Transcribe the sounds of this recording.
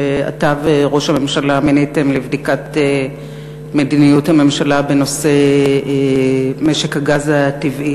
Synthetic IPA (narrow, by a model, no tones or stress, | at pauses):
ea̰taveʁo̞ʃhame̞mʃalaminetemlevdikate | medinijuthame̞mʃalabe̞no̞se̞ | me̞ʃe̞khaɡazativʔi